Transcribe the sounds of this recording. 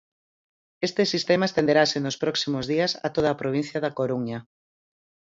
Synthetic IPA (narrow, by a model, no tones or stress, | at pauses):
est̪esist̪emaest̪end̪eɾasenospɾɔksimʊzðiasɐ̰t̪oð̞aːpɾoβ̞in̟θjɐðakoɾuɲa